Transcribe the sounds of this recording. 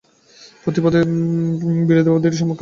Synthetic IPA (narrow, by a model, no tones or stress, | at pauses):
pɾot̪ipɔd̪e | biɾod̪ebod̪eɾʃ̬ɔmokː